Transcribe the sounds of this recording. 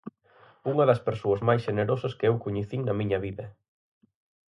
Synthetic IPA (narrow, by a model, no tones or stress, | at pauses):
uŋɐðɐspeɾsoɐzmajsʃeneɾosɐskɪewkuɲeθiŋnɐmĩɲɐβiðɐ